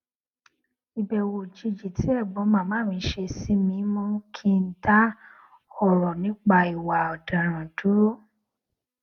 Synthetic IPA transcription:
i˨bɛ˨wo˨d͡ʒi˧d͡ʒi˨ti˨˦ɛ˦˨bɔ˨˦mã˨˦˨mãː˨˦mĩ˧˦ʃe˧si˦mĩ˧˦mɔ̃˦kʰi˧n̩˦ta˦ | ɔ˦˨ɾɔ˨nĩ˦k͡pa˧i˨wa˨ɔ˨da˨ɾ̃ã˨du˨˦ɾo˦

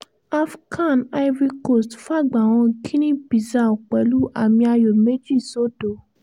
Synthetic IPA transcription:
a˦˧fkʰa˦˨na˧jvi˧ko˦˨stfa˦˨ɡ͡ba˨w̃ɔ̃˧kʰi˦nĩ˦bi˨za˨o˨k͡pɛ˨˦lu˦ʔa˦˨mĩ˧a˧jo˨me˦d͡ʒi˦˨so˦do˨

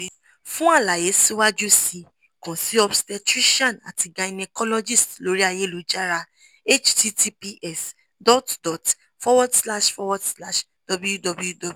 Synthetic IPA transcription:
fũ˦a˦˨la˨je˨˦si˦wa˦d͡ʒu˦si˧ | kɔ̃˨si˨˦ɔ˧bstɛ˧tɾi˦ʃã˦˨na̰˨ti˨˧ɡa˧i˨nɛ˧kɔ˦lɔ˦d͡ʒi˦stlo˨˦ɾi˦a˧je˦˨lu˨˦d͡ʒa˦ɾa˧ | e˦t͡ʃti˦tʰi˦pi˦ʔɛ˦˨s | dɔ˦tdɔ˨t | fɔ˦wɔ˦dsla˦ʃfɔ˦wɔ˦dsla˦ʃ | d̥ɔ˧blu˦ju˦dɔ˧bu˦ju˦dɔ˨˧b

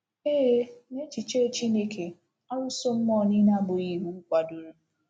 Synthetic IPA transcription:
eː˦ne˦t͡ʃi˨t͡ʃe˦t͡ʃi˦ne˦kʰe˨ | ɔ˦ɾʊ˦so˦m̩˦mɔ˦˨ni˦na˦ɡ͡bʊ˨i˨wu˦kʷa˨dʊ˨ɾu˦

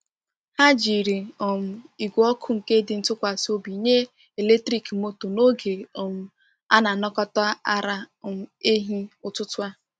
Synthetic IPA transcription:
ha˦d͡ʒi˨ɾi˨ɔ˨m̩˨i˨ɡʷɔ˦kʰʊ˦ŋ̩˨ke˦dɪ˨n̩˦tʊ˦kʷa˨so˦bi˨ɲe˦ | e˨le˦tɾi˦kmo˦to˨no˦ɡe˨o˨m̩˨ | a̰˦na˨nɔ˦kɔ˦tɔ˦a˦a˦ɾa˦˨ | m̩˨e˦ɦi˦ʊ˨tʊ˦tʊ˦a˦

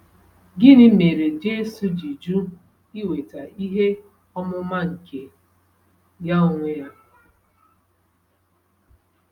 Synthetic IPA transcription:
ɡɪ˦nɪ˦me˨ɾe˨d͡ʒe˦su˨d͡ʒi˨d͡ʒu˦ | i˦we˨ta˨i˦ɦe˦ | ɔ˦mʊ˦ma˦ŋ̩˨ke˨ | ja˦o˨ŋʷe˦ja˦

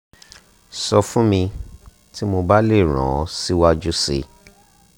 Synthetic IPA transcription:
sɔ˧fũ˦mĩ˧ | ti˦mo˧ba˦le˦˨ɾ̃ã̰˨˦si˦wa˦d͡ʒu˦sḛ˧˨

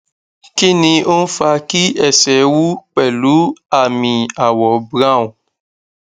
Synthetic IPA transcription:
ki˦nĩ˧o˦n̩˦fa˧ki˦ɛ˦˨sɛ˨˦wu˦k͡pɛ˦˨lu˨˦a˦˨mĩ˧a˨wɔ˨bɾã˦˨ũ˨

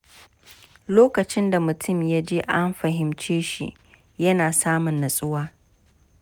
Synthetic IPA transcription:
loː˦kɐ˨t͡ʃɪ˦nda˨mʊ˨tʰʊ˦mja˦d͡ʒeː˦ʔa˦mɸɐ˨ɦɪ˨mt͡ʃeː˦ʃḭ˨ | jɐ˦naː˨saː˦mʊ˨nːɐ˨sʼʊ˦waː˦

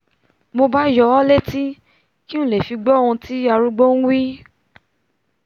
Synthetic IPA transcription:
mo˧ba˦jɔ˧˦ɔ˦le˦ti˦ | ki˦ũ˦˨le˨fi˧ɡ͡bɔ˦˨ũ˧ti˦a˧ɾu˧ɡ͡bo˦n̩˦wi˦

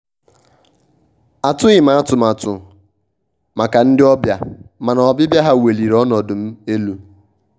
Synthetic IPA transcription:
a˨tʊ˦ɣɪ˨ma˨a˦˨tʊ˨ma˨tʊ˨ | ma˨ka˨n̩˦dɪ˦ɔ˦bja˨ma˨na˨ɔ˨bɪ˦bja˦ɦa˦we˨li˨ɾɔ˦nɔ˨dʊ˨m̩˦e˦lu˨

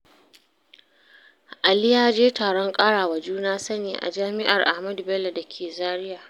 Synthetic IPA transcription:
ʔa˨lɪ˦jaː˦d͡ʒeː˦taː˨ɽɔ˦ŋkʼaː˦ɽaː˨wa˨d͡ʒuː˦naː˦sɐ˦neː˨ʔa̰˨d͡ʒaː˦mɪ˦ʔa˨rʔa˨hmɐ˦du˨bɛ˦lːa˨dɐ˨kʲʰeː˨zaː˦ɽɪ˦jaː˨

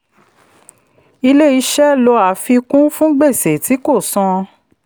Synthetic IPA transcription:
i˧le˦i˧ʃɛ˦lɔ˧a˨fi˧kũ˦fũ˦ɡ͡be˦˨se˨ti˨˦ko˦˨sɔ̃˧

